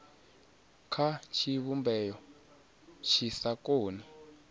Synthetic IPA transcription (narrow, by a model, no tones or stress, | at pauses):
kʰat͡ʃʰiβumbɛjɔ | t͡ʃʰisakoːni